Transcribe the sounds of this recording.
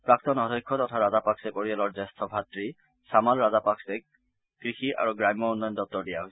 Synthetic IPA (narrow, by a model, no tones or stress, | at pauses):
pɹak̚tɔnɔdʱɔjkʰːɔtɔtʰaɹazapaksɛpoɹialɔɹzɛstʰɔbʱatɹi | samalɹazapaksɛ | kɹixiʔa̰ɹuɡɹajmːɔunːɔjɔndɔp̚tɔɹdijaɦos